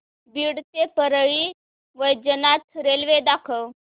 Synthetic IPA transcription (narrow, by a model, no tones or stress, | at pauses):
biːɽt̪epəɾɭiː | ʋəjd͡ʑənat̪ɾelʋed̪akʰəw